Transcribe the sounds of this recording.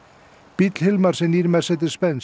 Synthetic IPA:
pit̪l̥hɪlmaɾ̥sɛniɾmɛɾ̥sɛt̪ɪspɛns

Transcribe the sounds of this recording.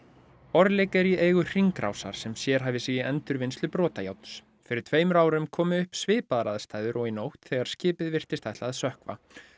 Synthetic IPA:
ɔɾðlejkɛɾieːjɣʏr̥iŋkɾa̰wsa̰ɾ̥sɛmsjɛɾ̥ɦaːvɪsiːjɪɛnt̪ʏɾvɪnst̪lʏpɾɔːt̪aja̰wt̪s | fɪɾɪɾ̥t̪ʰveːjmʏɾaːwɾʏmkʰɔːmɪʏhpsvɪːpaðaɾaðst̪aːjðʏɾɔɣinowht̪θɛɣaɾ̥scɪːpɪðvɪr̥t̪ɪst̪ajht̪laðsœhkva̰

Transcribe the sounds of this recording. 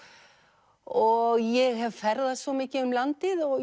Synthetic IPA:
ɔɣjɛɣɦɛvfɛɾðasvɔmɪːcɪʏmlant̪ɪðɔ

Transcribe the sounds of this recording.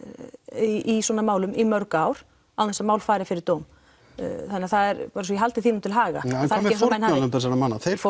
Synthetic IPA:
iswɔːnamaːwlʏmimœɾkaːwɾ̥ | awθɛnsamaːwlfaːjɾɪfɪɾɪɾt̪oːwm | θanːɪaθaðɛɾpaːɾasɔjiɦalt̪ɪθinumt̪ʰɪlɦaːɣa̰θaɾɾɪs̬ɔnhanʏmpɛsanamanːaθeɾ

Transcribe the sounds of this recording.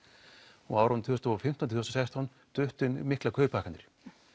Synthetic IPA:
ɔ̰aːwɾant̪ʰʏːɔst̪ɔɔfɪm̥ht̪anʰʏːɔst̪asajst̪an | t̪ʏht̪ʏnmɪhklakʰœːpʰaːhkant̪ɪɾ̥

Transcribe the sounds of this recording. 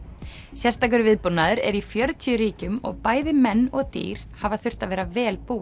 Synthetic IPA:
sjɛrst̪ak̬ʏɾvɪðpunːaðʏɾɛ̰ɾifjœɾt̪ʰiʏɾiːcʏmɔ̰ɣpaːjðɪmɛnːɔɣt̪ḭːɾ̥havaθʏr̥t̪avɛːɾavɛːlpuːa

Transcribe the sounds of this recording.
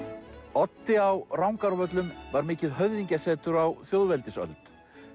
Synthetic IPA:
ɔt̪ːɪawrawŋkaɾvœt̪lʏmvaɾmɪːcɪðɦœvðiɲcasɛːt̪ʏɾawθjoːwðvɛlt̪ɪsœ̰lt̪

